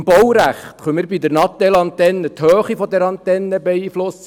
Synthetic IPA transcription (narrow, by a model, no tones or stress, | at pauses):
mbɔwɾæχt̪χœmɪɾbid̪əɾnɑt̪ːɛlɑnt̪ɛnːət̪høːχifɔd̪ɛɾɑnt̪ɛnːəbɛiflʊs